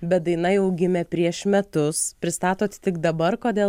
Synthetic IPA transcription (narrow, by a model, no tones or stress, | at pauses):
bʲɛt̪̚d̪ɐɪnɐɪɐʊɡʲɪmʲɛpʲɾʲiɛʃmʲɛt̪ʊspʲɾʲɪst̪ɑːt̪oːt̪ʲt̪ʲɪɡd̪ɐbɐrkoːd̪ʲeːl